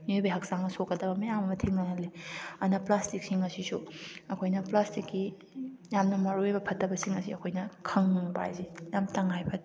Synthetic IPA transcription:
nojbɐɦɐksaŋnɐsokːɐdɐbɐmejamɐmɐtʰiŋnɐɦɐleɐnɐplastik̚siŋɐsisuɐkʰojnɐplastikːi | jamnɐmɐɾoebɐpʰɐtːɐbɐsiŋɐsiɐkʰojnɐkʰɐŋba̰jzijamtɐŋajpʰɐt

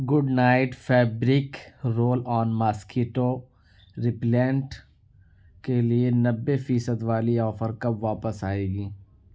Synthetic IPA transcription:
ɡʊɖnaːɪʈfɛːbɾɪkɾoːlɔːnmaːskeːʈo | ɾɪplɛ̃ːɳʈ | kelienɐbːefiːsəd̪ʋaːliɔːfəɾkɐbʋaːpəsaːeːɡiː

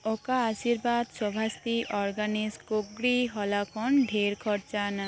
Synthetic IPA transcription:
ɔkaːsiɾbad̪sɔbʱast̪iʔɔɾɡaniskoɡɾiɦɔlakʰɔnɖʱeɾkʰɔɾt͡ʃana

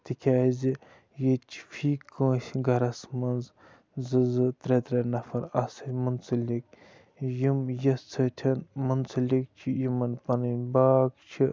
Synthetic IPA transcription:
t̪ikʰʲaːzʲi | jet͡ʃʰi̥fʰiːkə̃ːsʲiɡɐɾɐsmɐnz | zɨzɨt̪ɾet̪ɾɐnɐfɐɾɐsɐmunt͡sɐlʲik | jimjɐst͡sʰɐt̪ʲʰɐnmunt͡sʰɐlʲik̚t͡ʃʰijimɐnpɐnɨbaːkt͡ʃʰi

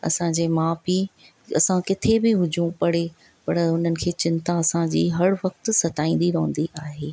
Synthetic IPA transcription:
ɐ̰sãd͡ʑeːmaːfi | ɐ̰sãkɪt̪ʰebɪɦʊd͡ʑʱũpɐɽ̤e | pɐɽəʊn̤ənɪ̆kʰeːt͡ɕɪ̃nt̪aɐsãd͡ʑiːɦɐɽʋɐkt̪ʊsɐt̪aːĩːnd̪iɾɐɦə̃nd̪iʔaːɦeː

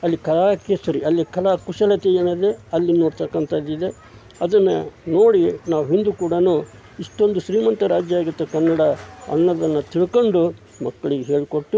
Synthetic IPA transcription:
ɐlːikɐlaːkesɐɾiɐlːikɐlaːkuʂɐlɐt̪ejeːnɐd̪e̞ɐlːino̞ːɽt̪ɐkːɐnt̪ʰɐd̪id̪e̞ | ɐd̪ɐnːɐno̞ːɽinaːʋuɦind̪ukuːɽɐnuː | iʂʈo̞nd̪uʃɾiːmɐnt̪ɐɾaːd͡ʒjɐaːɡut̪ːekɐnːɐɽɐɐ̰nːɐd̪ɐnːɐt̪iɭko̞ɳɖu | mɐkːɐɭiɡeɦeːɭko̞ʈːu

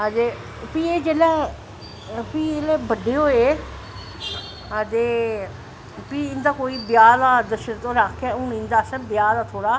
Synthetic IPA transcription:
əd̪eː | piːeːd͡ʒeːlɛː | piːelɛːbəɖeːɦoːeː | əd̪eː | piːɪnd̪aːkoːiːbjaːlaːd̪əʃəɾt̪õːɾakʰɛːʊ̃nɪ̃nd̪aːsɛ̃ːbɪjaːd̪aːt̪ʰoːɽaː

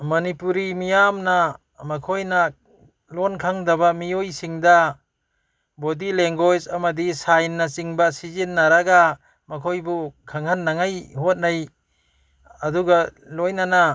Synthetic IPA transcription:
mɐnipuɾimijamna | mɐkʰojna | lonkʰaŋdabamiojsiŋda | bodileŋɡojsɐamadisajnːat͡ʃiŋbasizinːaɾaɡa | mɐkʰojbukʰaŋhanːaŋajhot̚naj | ɐduɡalojnana

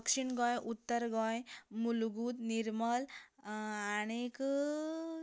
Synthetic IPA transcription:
kʂiɳɡɔjʔut̪ːəɾɡɔjmulɡuːd̪niɾməl | aɽ̃ek

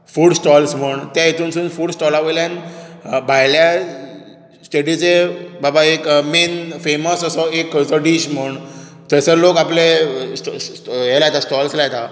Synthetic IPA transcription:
fuːɽsʈɔlsm̤əɳt̪ãjet̪uːnsuːnfuːɽsʈɔlaʋəjljãnbʱajlja | sʈeɽit͡sebabaekmenfeməsəsɔekd͡zəɖiɕm̤əɳ | t̪əsəɾlokaples | jelajt̪asʈɔlslajet̪a

